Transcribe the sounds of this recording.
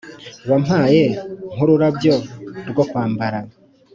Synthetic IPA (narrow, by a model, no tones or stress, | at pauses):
wam̥haːjeŋ̥uɾuɾabjoɾɡokwaːmbaɾa